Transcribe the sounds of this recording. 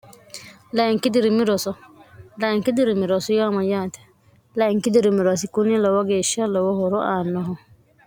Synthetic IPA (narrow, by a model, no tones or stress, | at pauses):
laɛŋkidiɾimiɾɔsɔlaɛŋkid̪iɾimiɾɔsɔjɔmajat̪ɛ̥ | laiŋkid̪iɾimiɾɔs̬ikunilɔwaɡeʃalɔwɔhɔɾɔʔanɔɦɔ